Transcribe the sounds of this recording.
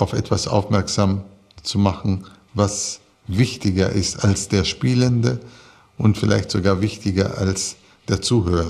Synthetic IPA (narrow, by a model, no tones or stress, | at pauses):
aʊfʔɛ̰tv̥asʔa̰ʊfmɛɐkz̥am | t͡sumaχn̩ | vas | vɪçtɪɡɐʔɪstalsd̥eːɐʃpiːləndə | ʔʊntfɪlʔa̰ɪçtz̥oɡaːɐvɪçtɪɡɐ̰ʔals | d̥eːɐt͡suːhøːʁɐ